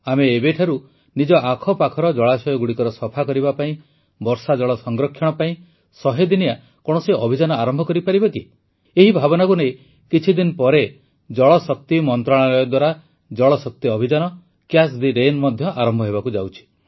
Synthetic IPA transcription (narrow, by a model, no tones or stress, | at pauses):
ameːbeʈʰaɾu | nid͡ʒɔʔakʰɔpakʰɔɾɔd͡ʒɔɭasɔjɔɡuɽikɔɾɔsɔpʰakɔɾibapaĩ | bɔɾsad͡ʒɔɭɔsɔŋɡɾɔkʰːjɔɽ̃ɔpaĩ | sɔɦed̪inia | kɔɽ̃ɔseɔbʱid͡ʒanɔaɾɔmbʱɔkɔɾipaɾibɔki | eɦibʱabɔnakunej | kit͡ʃʰid̪inpɔɾe | d͡ʒɔɭɔsɔk̚t̪imɔnt̪ɾaɭ̃alɔjɔd̪waɾa | d͡ʒɔɭɔsɔk̚t̪iɔbʱid͡ʒanɔ | kjasd̪iɾenmɔd̪ʱjɔʔaɾɔmbʱɔɦeβakud͡ʒawt͡ʃʰi̥